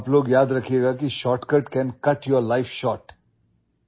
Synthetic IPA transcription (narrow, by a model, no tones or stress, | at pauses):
ploːɡjaːd̪ɾɐkʰeɡakiʃɔːʈkəʈkɛ̃nkɐʈjoɾlaɪfʃɔːʈ